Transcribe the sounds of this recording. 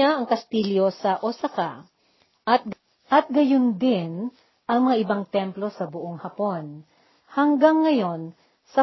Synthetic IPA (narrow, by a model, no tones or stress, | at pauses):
aʔɐŋkɐst̪iːljo̞sɐʔosɐka | ʔɐt̪̚ | ʔɐt̪̚ɡɐjond̪ɪn | ʔɐŋmɐŋaʔɪbaŋt̪ɛmplo̞sɐbʊʔoŋhɐpo̞n | hɐŋɡaŋːɐjo̞n | sɐ